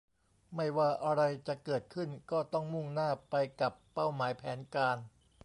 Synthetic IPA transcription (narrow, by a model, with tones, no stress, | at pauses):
ma˥˩jwaː˥˩ʔa˧ɾa˧jt͡ɕa˨˩kɤː˨˩t̪̚kʰɯ˥˩nkɔː˥˩t̪ɔ˥˩ŋmu˥˩ŋnaː˥˩pa˧jka˨˩pːa˥˩wmaː˩˦jpʰɛː˩˦nkaː˧n